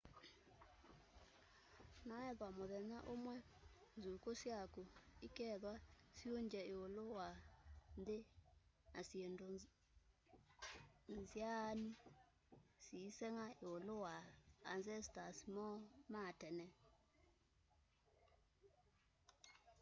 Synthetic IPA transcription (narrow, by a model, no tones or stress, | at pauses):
naɛðwamoðɛnaʔomwɛnzukosjakoikɛðwasjoɲd͡ʒɛeolowandenasjendo | nzjani | sisɛŋaeolowaːnsɛstasimɔmatɛnɛ